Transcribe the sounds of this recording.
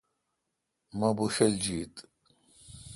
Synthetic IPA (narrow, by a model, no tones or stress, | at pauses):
mabuʃɛld͡ʒiːt̪ʼ